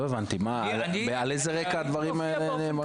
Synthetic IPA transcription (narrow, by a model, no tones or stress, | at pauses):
oevant̪ima | l | balejzeʁekaːd̪vaʁimaelelemo